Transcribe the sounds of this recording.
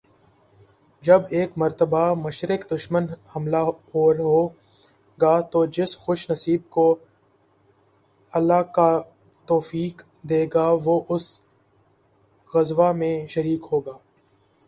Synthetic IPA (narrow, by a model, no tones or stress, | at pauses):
d͡ʒɐbeːkmɐɾt̪əbamɐʃɾɪkd̪ʊʃmənhɐmlaɦoːɾɦoː | ɡaːt̪oːd͡ʒɪsxʊʃnɐsiːb̚ko | ɐlːaːka | t̪oːfiːk | d̪eːɡaːʋoʔʊs | ɣɐzʋamẽʃəɾiːkɦoːɡaː